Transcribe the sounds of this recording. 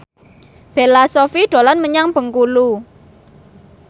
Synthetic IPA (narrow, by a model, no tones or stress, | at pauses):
b̥elasofiɖ̪̥o̤lanməɲaŋb̥ə̤ŋkulu